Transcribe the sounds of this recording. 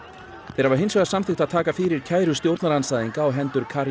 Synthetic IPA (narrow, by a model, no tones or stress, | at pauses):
θejɾavaɾɦejnsvɛɣasamθɪxt̪aðt̪ʰaːkafɪɾɪɾ̥cʰaːjɾʏst̪jowɾt̪naɾansaːjðiŋkaːwɦɛnt̪ʏɾkʰaɾ